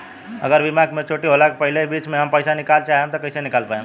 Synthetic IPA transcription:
ə̰ɡəɾʋimaːɡmẽt͡ʃʰoːʈiɦolakepəɦɪlebiːt͡ʃmẽɦəmpəɪsanɪkaːlt͡ʃaɦẽmt̪okəɪsenɪkaːlpaẽ

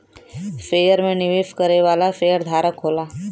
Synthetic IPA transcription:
feːjəɾmẽnɪʋiːfkəɾeʋaːlafeːjəɾd̪ʱaːɾəkɦoːlaː

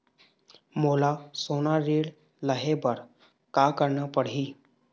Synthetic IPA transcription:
molasonaɾeɽ | ləɦebəɾ | kakəɾɳapəɽɦi

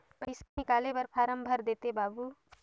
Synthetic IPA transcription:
pɐɪsanɪkaːlebɐɾpʰaːɾəmbʱəɾd̪eːt̪ebaːbu

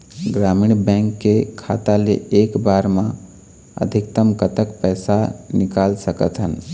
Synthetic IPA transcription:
ɡɾaːmiːɳbɛ̃ːŋkːekʰa̰ːt̪alḛeːkbaːɾmã | ə̰d̪ʱɪkt̪əmkət̪əkpɛːsanɪkaːlsəkət̪ɦən

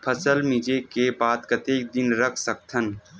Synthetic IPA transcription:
pʰəsəlmɪd͡ʒekebaːd̪kət̪eːk̚d̪ɪnɾəkʰsək̚t̪ʰən

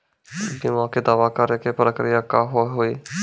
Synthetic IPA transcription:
ɡɪmãːked̪aːʋaːkəɾeːkepəɾəkɾɪjaːkaːɦoɦoːiː

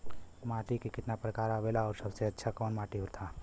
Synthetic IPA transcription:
maːʈikekɪt̪napɾəkaːɾaʋelaɔːɾsəbseɐtːʃʰakɔːnmaːʈiɦʊɾt̪ʰaː

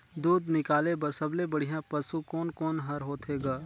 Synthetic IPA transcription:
d̪uːd̪nɪkaːlebɐɾsɐblẽbɐɽ̤ijãpɐsukɔːnkɔːnɦɐɾɦoːt̪ɦeːɡaː

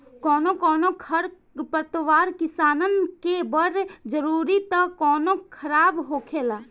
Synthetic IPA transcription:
kɔːnokɔːnokʰəɾ | pəɾt̪əʋaːɾkɪsaːnənkebəɾd͡ʒəɾuːɾit̪əkɔːnokʰəɾaːbɦoːkʰela

